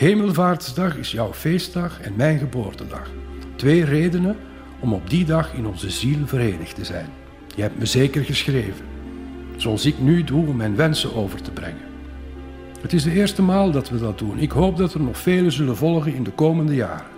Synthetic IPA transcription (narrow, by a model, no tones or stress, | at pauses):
ɦeːməlˠvaːrtsdɑχɪsjʌwfeːst̚dɑχɛnmɛjnɣəbo̰ːrtədɑ̰xtʋeːreːdənə | ɔmɔb̚didɑχɪnɔnzəzilvəɾeːnəxtəzɛ̰jn | jəɦɛp̚tməzeːkərɣəsxreːvən | z̥oɑlˠsɪknyduɔmːɛjnʋɛnsəoːvərtəbrɛ̰ŋən | ɦətɪzdəɪːrstəmaːlˠdɑtʋədɑdunɪkɦoːp̚dɑtərnɔχfeːləzɵlənvɔlˠɣənɪndəkoːməndəja̰ːr